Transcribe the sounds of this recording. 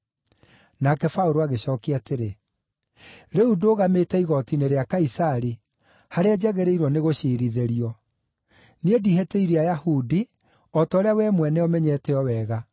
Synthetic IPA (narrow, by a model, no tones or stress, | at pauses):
nakɛfaoɾoaɣeɕɔːkiateɾe | ɾeudoːɣametɛiɣɔtineɾeakaisaɾi | haɾead͡ʑɛɣɛɾeiɾwɔneɣoɕeːɾiðeɾiɔ | niedihetɛiɾiajahudi | ɔtaːɾeawɛmwɛnɛɔmɛɲɛtɛɔwɛɣa